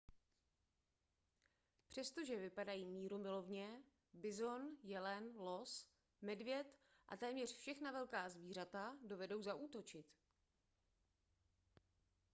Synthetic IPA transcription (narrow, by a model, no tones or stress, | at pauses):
pr̝̥ɛst̪o̞ʒɛvɪpadajiːmiːɾumɪlo̞vɲɛ | bɪzo̞njɛlɛnlo̞s | mɛdvjɛt̪ʔa̰t̪ɛːmɲɛr̝fʃɛxnavɛlkaːzviːr̝at̪ado̞vɛdo̞wzaʔuːt̪o̞t͡ʃɪt̪